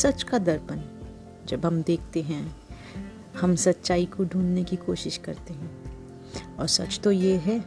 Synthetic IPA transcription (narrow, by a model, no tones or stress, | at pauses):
sɐt͡ʃkad̪ɐɾpən | d͡ʒɐbɦɐmd̪eːk̚ʰt̪eɦɛ̃ | hɐmsɐt̪ːʃaːikoɖʱuːnnekikoːʃɪʃkɐɾt̪eɦɛ̃ː | ɔːɾsɐ̰t͡ʃt̪ojeɦɛː